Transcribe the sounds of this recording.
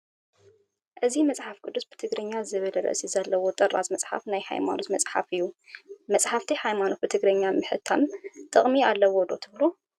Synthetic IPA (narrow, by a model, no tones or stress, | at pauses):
ʔɨzimɐt͡sʼħafkʼɨd̪ːusb̥ɨt̪ʰɨɡɾɐɲːazɨβɨlɐɾɐ̰sizɐlːɐwo̞t̪ʼɐrːa̰zmɐt͡sʼħa̰fnajħa̰jma̰not̪mɐt͡sʼħa̰fɨjːumɐt͡sʼħaft̪ʰiħajmanot̪bɨt̪ʰɨɡɾɐɲːamɨħɨt̪ʰːa̰mt̪ʼɨχʼmialːɐwod̪o̞̰t̪ʰɨβlu